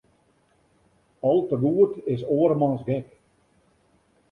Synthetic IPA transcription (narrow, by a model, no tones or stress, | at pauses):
ɔlˠtəɡuətɪs̬oəɾmɑnsɡɪk